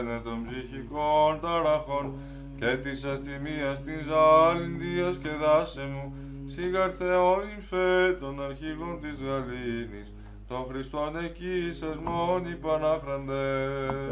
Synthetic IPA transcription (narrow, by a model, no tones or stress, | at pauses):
net̪o̞mbziçikont̪ɐɾɐxo̞n | cet̪isɐsθimiɐst̪izɐlind̪iɐsceðɐsemu | siɡɐɾθeoniɱfet̪o̞nɐɾçiɣont̪izɣɐlinis | t̪o̞nxɾist̪onecisɐzmonipɐnɐfɾɐnd̪e